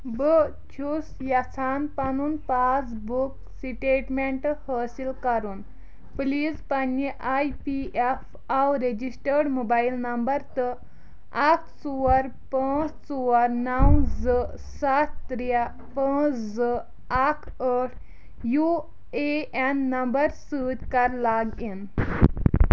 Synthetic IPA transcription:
bə | t͡ɕʰusjat͡sʰanpanuːnpat͡sbuk | siʈeʈmeɳʈhəsilkaɾuːn | pliːd͡zpanːiʔajpief | awɾed͡ʑisʈəɾɽmobailnəmbəɾt̪ə | ak̚ʰt͡suʋəɾ | pə̃t͡st͡suʋəɾnawd͡zəsat̪ːɾija | pə̃t͡sd͡zə | akʰəʈʰ | ju | eɛnːəmbəɾsut̪kaɾlaɡin

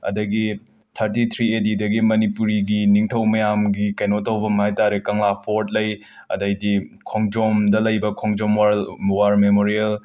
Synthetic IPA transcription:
ɐ̰dɐɡi | tʰɐɾtit̪ʰɾiedidɐɡimɐnipuɾiɡiniŋtʰɐwmɐjamɡikɐjnotːɐwbɐmɦajtaɾekɐŋlapʰoɾt̚lɐj | ɐ̰dɐjdikʰoŋd͡ʒomdɐlɐjbɐkʰoŋd͡ʒomwawaɾmemoɾiel

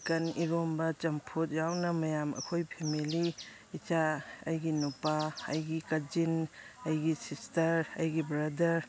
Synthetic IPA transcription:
kɐniɾombɐt͡ʃɐmpʰut̚jawnɐmɐjamɐ̰kʰojpʰemiliː | t͡ʃaɐjɡinupaɐjɡikɐd͡ʒinɐjɡisistɐɾɐjɡibɾɐdɐɾ

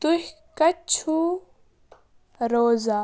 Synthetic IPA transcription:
t̪uhʲ | kɐt͡ʃʰu | ɾoːzaː

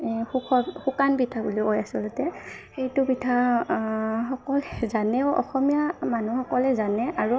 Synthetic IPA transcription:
hukʰɔxukanbitʰabuliɔjasɔlʊtɛ | xejtʊbitʰa | ɦɔkɔlɛzanɛʊʔɔ̰xɔmijamanuxɔkɔlɛzanɛaɹu

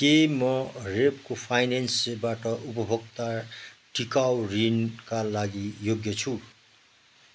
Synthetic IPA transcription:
kemʌrepkopʰajnensbaʈʌʔupʌbʱokt̪aʈikawrinkalaɡijoɡjʌt͡sʰu

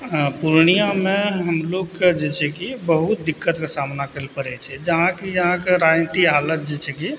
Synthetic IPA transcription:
puɾnijameɦəmloɡked͡ʒet͡ʃʰɛkibəɦut̪̚d̪ikːət̪kesamnakelpəɾɛt͡ʃʰɛd͡ʒəɦãkijəɦãkeɾanit̪ialət̪̚d͡ʒet͡ʃʰɛki

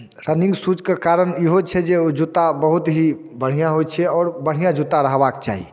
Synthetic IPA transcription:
ɾənĩŋɡsut͡ʃkekaɾəniɦot͡ʃʰɛd͡ʒeod͡ʒut̪abəɦut̪ɦi | bəɽ̤ijãɦojt͡ʃʰɛɔːɾbəɽ̤ijãd͡ʒut̪aɾəɦbakt͡ʃa̰ɦḭ

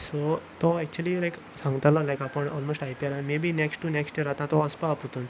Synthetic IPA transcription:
sot̪oɛk̚t͡ɕuəlilajk | sãŋɡt̪alɔlajkapəɳɔlmosʈajpalamebʱineksʈːuneksʈjeɾat̪ãt̪ɔəspaaput̪un

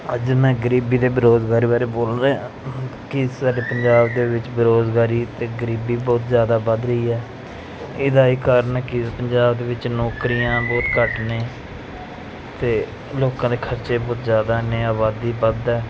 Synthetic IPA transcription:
əd͡ʒmɛ̃ːɡəɾiːbiːd̪eːbəɾoːzɡaːɾiːbaːɾeːboːlɾ̃ | kɪsaːɖeːpəɲd͡ʒaːbd̪eːʋɪt͡ʃbəɾoːzɡaːɾiːt̪eːɡəɾiːbiːbɔːt̪zjaːd̪aːbəd̪ɾəiːɛː | ɪd̪aːiːkəɾənɛːkɪpəɲd͡ʒaːbd̪eːʋɪt͡ʃnɔːkɾijãːboːɾkəʈneː | t̪eː | loːkãːd̪eːkʰəɾt͡ʃeːbɔːt̪zjaːd̪aːneːaːbaːd̪iːbəd̪ɛː

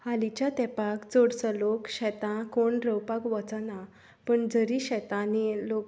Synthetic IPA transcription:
halit͡ɕjat̪ɛpakt͡soɽt͡səlokɕɛt̪ãkoɳɾəwpakʋət͡sana | pəɳd͡zəɾiɕɛt̪ãnilok

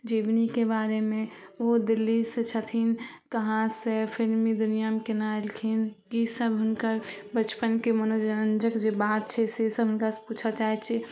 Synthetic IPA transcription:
d͡ʒibnikebaɾemeod̪ilːiset͡ʃʰət̪ʰinkəɦãsẽpʰilmid̪unijamekenaelkʰinkisəbɦʊnkəɾbət͡ʃpənkemənod͡ʒənənd͡ʒəkd͡ʒebat̪̚t͡ʃʰɛsesəbɦʊnkasput͡ʃʰət͡ʃaɦɛt͡ʃʰɛ

